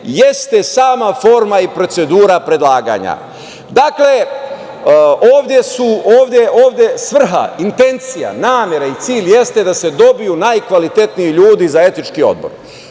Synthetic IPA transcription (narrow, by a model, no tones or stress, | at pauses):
je̞st̪e̞saːmafo̞ɾmaipɾo̞t̪se̞d̪uːɾapɾe̞d̪laːɡa̰ɲa̰ | d̪akle | oːʋd̪je̞suoːʋd̪ʲje̞ʔoːʋd̪ʲje̞sʋr̩ɦa̰int̪e̞nt̪sija̰naːmʲje̞ɾait̪siːʎʲje̞st̪e̞d̪ase̞d̪o̞bijunajkʋalit̪e̞t̪nijiʎuːd̪izae̞t̪it͡ʃkio̞̰d̪̚bo̞̰ɾ